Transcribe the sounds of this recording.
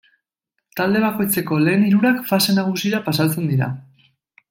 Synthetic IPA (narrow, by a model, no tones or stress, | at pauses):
t̪ald̪e̞β̞ako̞jt͡se̞ko̞le̞ːniɾuɾakfase̞naɣ̞usiɾapasalt͡se̞nd̪iɾa̰